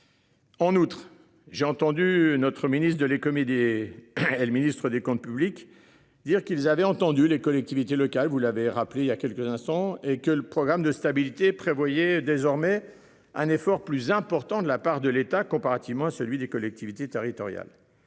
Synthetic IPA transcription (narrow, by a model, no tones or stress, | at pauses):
ɑ̃nut̪χ | ʒeɑ̃t̪ɑ̃d̪ynɔt̪χəminist̪d̪əlekɔmed̪e | eləminist̪χəd̪ekɔ̃t̪̚pyblik | d̪iʁkʲilzavɛɑ̃t̪ɑ̃d̪ylekɔlɛk̚t̪ivit̪elɔkalvulaveʁapleiljakʲɛlkəzɛ̃st̪ɑ̃ekələpχɔɡʁamd̪əst̪abilit̪epχevwajɛd̪ezɔʁmɛ | ɛ̃nefɔʁplyzɛ̃pɔʁt̪ɑ̃d̪əlapaʁd̪əlet̪akɔ̃paʁat̪ivmɑ̃asəlɥid̪ekɔlɛk̚t̪ivit̪et̪eʁit̪ɔʁja̰l